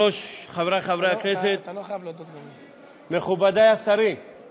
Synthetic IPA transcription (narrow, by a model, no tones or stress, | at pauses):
ɔʃχavɾaχavɾakʰɾet̪ʰet̪ | meχubad̪ajasaɾi